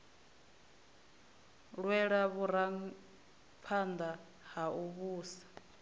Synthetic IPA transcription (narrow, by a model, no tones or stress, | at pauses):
ɺwɛɺaβuɾaŋ̩ | pʰand̪a | hauβuːsḁ